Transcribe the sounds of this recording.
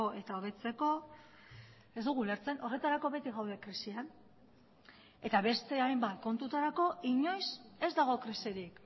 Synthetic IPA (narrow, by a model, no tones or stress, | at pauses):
oʔe̞t̪ao̞βe̞t͡se̞ko̞ | e̞zd̪uɣ̞ule̞ɾt͡se̞no̞re̞t̪aɾako̞βe̞t̪iɣawðe̞kɾisian | e̞t̪aβe̞st̪e̞ajmbat̪ko̞nt̪ut̪aɾako̞iɲo̞jse̞zd̪aɣ̞o̞kɾiseɾik